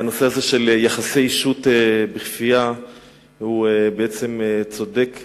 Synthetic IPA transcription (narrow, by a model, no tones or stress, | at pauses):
ano̞seazeʃe̞ljaχasejiʃut̪ebeχfija | hubeet͡se̞met͡sod̪ek